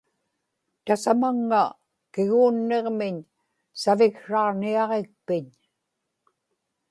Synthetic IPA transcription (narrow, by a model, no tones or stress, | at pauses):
t̪asamaŋːa | kɪɣuːnːe̞ʁmɪɲ | savɪkʂɑʁniɑʁek̚pɪɲ